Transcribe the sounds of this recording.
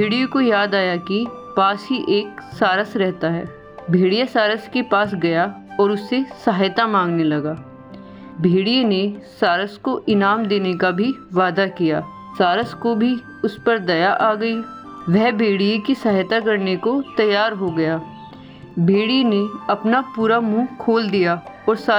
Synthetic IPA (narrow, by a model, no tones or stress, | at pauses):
bʱeːɽijõkojaːd̪aːjakipaːsɦiʔeːksaːɾəsɾɛɦt̪aɦɛ̰ː | bʱeːɽijasaːɾəskepaːs̬ɡɐjaɔːɾʊsːesɐɦjt̪amãːŋɡnelɐɡaː | bʱeːɽijenesaːɾəskoʔɪnaːmd̪eːnekabʱiʋaːd̪akijaː | saːɾəskobʱi | ʊspɐɾd̪ɐjaʔaːɡɐi | ʋɛɦbʱeːɽijekisɐɦjt̪akɐɾnekot̪ɐjːaːɾɦoɡɐjaː | bʱeːɽineɐpnapuːɾamũːkʰoːld̪ija | ɔːɾsa